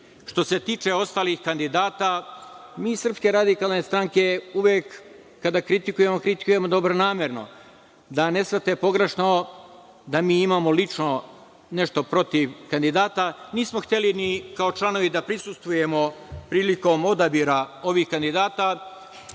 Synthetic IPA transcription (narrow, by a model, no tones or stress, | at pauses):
ʃt̪o̞se̞t̪iːt͡ʃe̞o̞st̪aːlixkand̪id̪aːt̪amiːsrpske̞ɾad̪ikaːlˠne̞st̪ɾaŋke̞uʋjekː | ad̪akɾit̪ikuje̞mokɾit̪i̥kuje̞mo̞d̪o̞bɾo̞naːmje̞ɾno̞̰ | d̪ane̞sʋrt̪e̞po̞ɡɾeʃno̞ | d̪amiːimamo̞lit͡ʂno̞ | ne̞ʃt̪o̞pɾo̞t̪iʋkand̪id̪aːt̪aniːsmo̞xt̪e̞linikaot͡ʃlˠano̞ʋid̪apɾisust̪ʋuje̞mo̞pɾiːliko̞ːmo̞d̪abiɾao̞ʋixkand̪id̪aːt̪a